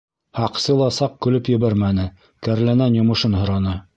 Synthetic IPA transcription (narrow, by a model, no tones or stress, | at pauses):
hɑqsɤlˠɑsɑq̚kɵ̆lɵpjɘ̆βæɾmænɘ | kæɾlænænjŏmɤ̆ʃɤnɦŏɾɑnɤ